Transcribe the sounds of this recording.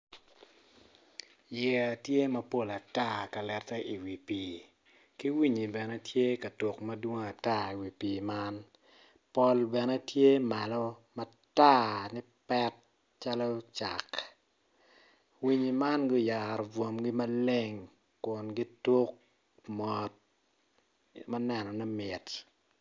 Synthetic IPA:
jɛ˨a˨tje˦mɐ˨po˦la˨ta˦ka˨lɛ˨tɛ˦ʔi˨wi˨piː˨˦ | ki˦wi˦ɲi˨bɛ˨nɛ˦tʰje˦kɐ˨to˨kmɐ˦dwo˦ŋ˦a˨ta˦i˨wi˨piː˨ma˦n | pɔ˨lbɛ˨nɛ˦tje˦ma˨lɔ˦mɐ˦ | ta˦˨ni˦ | pɛ˦t̚ | t͡ʃa˦lɔ˦t͡ʃa˨k | wi˦ɲi˨ma˦nɡɔ˦ja˨ɾɔ˨vwo˨mɡi˦mɐ˦le˦ŋ | kʊ˨nɡi˦to˦k̚ | mɔ˨t̚ | mɐ˦nɛ˦nɔ˨nɛ˦mɪ˨t

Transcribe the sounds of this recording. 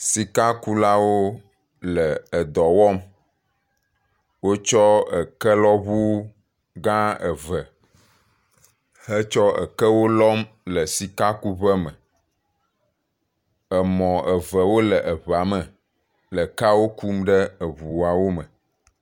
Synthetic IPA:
si˨ka˦ku˦la˦wo˦ | lə˨ə˨d̪ɔ˨wɔ˦m | wo˦t͡ʃɔ˦ə˨kə˦lɔ˦βu˦ | ɡã˦ə˨və˨ | hə˦t͡ʃɔ˦ə̰˨kə˦wo˦lɔ˦mlə˨si˨ka˦ku˦βə˦mə˨ | ə˨mɔ̃˨ə˨və˨wo˦lə˨ʔə˨βa˨mə˨ | lə˨ka˦wo˦ku˦mɖə˦ə˨βu˨a˨wo˦mə̃˨

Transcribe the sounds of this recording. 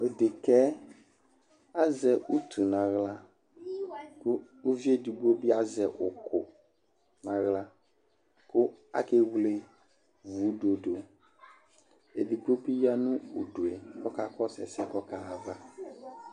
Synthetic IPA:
e˨de˨kɛ˦ | a˦zɛ˨u˦t̪ʰu˨nã˨ɣla˦ | ku˦ | u˦vi˦e˦di˨ɡ͡bo˦bi˦a˦zɛ˨ʔʊ˨kʰʊ˨ | nã˨ɣla˦ | ko˦a̰˦ke˦wle˨ | vu˨˦ɖo˨ɖo˨ | e˨di˨ɡ͡bo˦bi˦ja˦nũ˦o˨ɖo˨e˨kɔ˦ka˦kɔ˦sɛ̰˨sɛ˦kɔ˦ka˦a˨va˦

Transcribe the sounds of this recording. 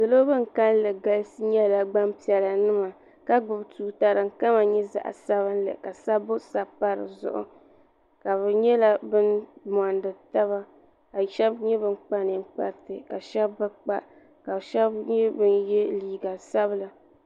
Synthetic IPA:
dɨ˨lo˦bɨ˦ŋ˨ka˦n˦lɨ˨ɡa˦lsɨ˦ɲɛ˦˨la˨ɡ͡ba˦mpi˨ɛ˨la˨nɨ˦ma˨ | ka˦ɡ͡bʊ˨btuː˨ta˨ɾɨ˨ŋ̩˨ka˦ma˨ɲɛ˦za̰˨ʔa̰˨sa˦βɨ˦n˦lɨ̰˨ka˨sa˦bʊ˦sa˨pa˦ɾɨ̰˨zʊ̰˨ʔʊ̰˨ | ka˨βɨ˨ɲɛ˦la˦bɨ˦nm˨ɔ˨ndɨ˨ta˦βa˦ | ka˨ʃɛ˦bɲɛ˦bɨ˦nk͡pa˦nɨ˨ŋ̩˦k͡pa̰˦ɾtɨ˨ka˨ʃɛ˦bːɨ˦k͡pa˦ʔ | ka˨bʃɛ˦bɲɛ˦bɨ˦njɛ˦liː˨ɡa˨sa˦βɨ˦la˨

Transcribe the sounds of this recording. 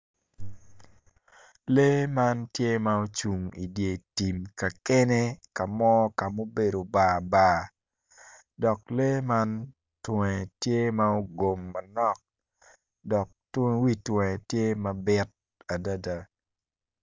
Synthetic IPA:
le˦ma˦ntje˦ma˦o˦t͡ʃu˨ŋi˨dje˨ti˨mka˨ke˦ne˦ka˨mɔ˦ka˨mo˦be˨do˨baː˨baː˨ | dɔ˨k̚le˦ma˦n | twɛ̃˨tje˦ma˦o˦ɡo˨mːɐ˨nɔ˦k̚ | dɔ˨k̚twi˦twɛ̃˨tje˦ma˨bɪ˦t̚ | a˨da˦da˨

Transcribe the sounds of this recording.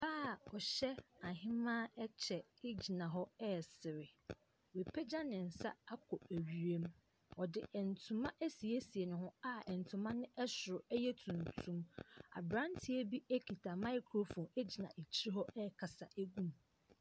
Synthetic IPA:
baː˦˨ɔ˨ɕɛ˦a˨ɦɪ̃˦mã˦ɛ˦t͡ɕʰɛ˨ɪ˦d͡ʑi˨nã˨ɦɔ˦ɛ˦˨sɪ˨ɾɪ˨ | we˨pʰɛ˦d͡ʑa˦nɪ̃˨n̩˨sa̰˦a˦kʰɔ˨æ˨ɥi˨ɾe˦m | ɔ˨dɪ˨ɛ˨n̩˨tʰũ˨mã˦ʔæ˦si˨e˦si˨e˨nʊ̃˨ɦʊ̃˦a˦ɛ˨n˨tʰʊ̃˨mã˦nɪ̃˦ʔɛ˦sʊ˨ɾʊ˨ɛ˦jɛ˦tʰũ˨n˨tʰũ˦ma̰˨bɾã˦n˦tʰi˦e˦bi˦æ˦kʰi˨tʰa˨mã˦ɪ˦kʰɾo˦fɔ̃˨ne˦d͡ʑi˨nã˨ʔe˨t͡ɕʰi˦ɾi˦ɦɔ˦ɛ˦˨kʰa˨sa˨ʔæ˦ɡũ˦m

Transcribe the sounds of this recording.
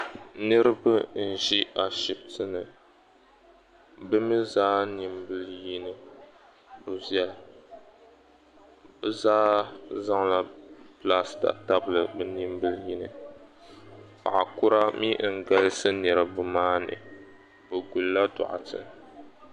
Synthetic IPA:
nɨ˦ɾɨ˦bɨ˦n̩˨ʒi˦ʔa˨ʃi˨b̚tɨ˦nɨ˨ | bɨ˦mi˦zaː˦ni˨mbɨ˦lji˦nɨ˨ | bɨ˨zɛ˦l | bɨ˦zaː˦za˦ŋla˦pla˦sta̰˨ta˦bɨ˨lɨ˨bɨ˨ni˦mbɨ˦lji˦nɨ˨ | pa̰˨ʔa˨kʊ˦ɾa˦mi˦ŋ̩˨ɡa˦lɨ˦sɨ˦nɨ˨ɾɨ˨bɨ˦maː˦nɨ̰˨ | bɨ˨ɡu˨lla˦dʊ̰˨ʔa̰˨tɨ̰˨

